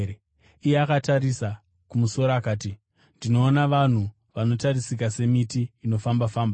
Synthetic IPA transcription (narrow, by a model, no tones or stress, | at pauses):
ijeakataɾisa | kumuso̞ɾaːkaːti | ndino̞ːnaʋan̤u | ʋano̞tarisikase̞mitiːno̞fambafaːmba